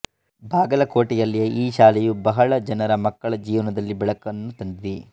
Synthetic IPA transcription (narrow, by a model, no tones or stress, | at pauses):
baːɡɐlɐko̞ːʈijɐlːijeʔiːʃaːlɛjubɐɦɐɭɐd͡ʒɐnɐɾɐmɐkːɐɭɐd͡ʒiːʋɐnɐd̪ɐlːibɛɭɐkɐnːut̪ɐnd̪iʋi